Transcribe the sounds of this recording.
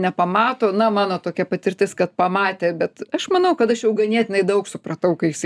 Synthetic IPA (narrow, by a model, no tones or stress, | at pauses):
nʲɛpɐmɑːt̪oːnɐmɑːnoːt̪oːkʲɛpɐt̪ʲɪrʲt̪ʲɪskɐt̪̚pɐmɑːt̪ʲeːbʲɛt̪ɐʃmɐnɐʊkɐt̪ɐʃjɛʊɡɐnʲiɛt̪ʲɪnɐɪd̪ɐʊksʊprɐt̪ɐʊkɐjɪsɐ